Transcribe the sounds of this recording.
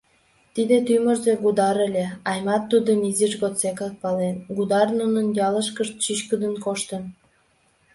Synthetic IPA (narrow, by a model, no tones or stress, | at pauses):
t̪id̪et̪ymərzeɡud̪ɑɾelʲeɑjmɑt̪ːud̪əniziʃɣot̪t͡sekɑk̚pɑlenɡud̪ɑrnunənjɑləʃkəʃt̪̚t͡ɕyt͡ɕkəd̪ənkoʃt̪ən